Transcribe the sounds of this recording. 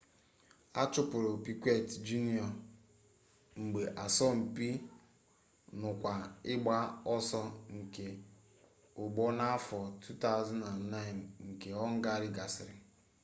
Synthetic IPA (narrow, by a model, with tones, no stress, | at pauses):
a˦t͡ʃʊ˦pʊ˨ɾo˨pi˨kʷe˦˨td͡ʒu˦ni˦ɔ˨ | ŋ͡m̩˨ɡ͡be˨ʔa˨sɔ˦m̩˨pi˦ | nʊ˨kʷa˨ɪ˦ɡ͡ba˦ɔ˦sɔ˦ŋ̩˨ke˨ | ʊ˨ɡ͡bo˦na˦a˦fɔ˨tʰu˦ta˦ʊ˦za˦na˨nː˨a˦ɪ˨nŋ̩˨ke˨ɔ˦ŋ̩˦ɡa˦ɾɪ˦ɡa˨sɪ˨ɾɪ˨